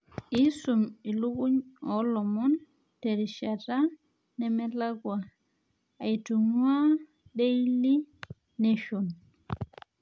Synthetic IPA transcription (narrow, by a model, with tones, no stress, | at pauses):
i˦su˨mi˨lu˦ku˦ɲɔ˨˦lɔ˨mɔ˦n | tɛ˨ɾi˨ʃa˨ta˦ | nɛ˨mɛ˦la˦ɡwaː˨ | i˨tu˨ŋwa˦ | de˦ili˦ | ne˦ʃo˨n